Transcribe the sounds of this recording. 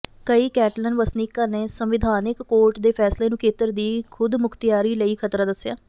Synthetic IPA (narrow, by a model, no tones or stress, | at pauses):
kəiːkɛːʈlənʋəsniːkãːneːsəmʋɪd̪ʱaːnɪkːoːɾʈd̪eːpʰɛːsleːnũːkʰeːt̪əɾd̪iːkʰʊd̪mʊkʰt̪ɪjaːɾiːləiːkʰət̪ɾaːd̪əsːɪjaː